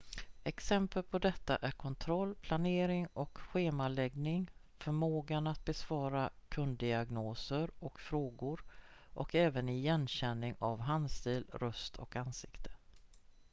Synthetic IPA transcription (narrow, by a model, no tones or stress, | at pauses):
ɛksɛmpəlpʰɔd̪ɛt̪ːaʔæɾkʰɔnt̪ʰɾɔlːpʰlaneːɾɪŋɔkɧeːmalɛɡnɪŋ | fœɾmoːɡanat̪̚bɛsvɑːɾakʰɵnd̪̚ɪaɡnoːsəɾɔkfɾoːɡʊɾʔɔkɛːvənɪjɛnɕɛnːɪŋavɦanst̪iːlɾɵst̪ʰɔ̰kansɪkt̪ʰə̥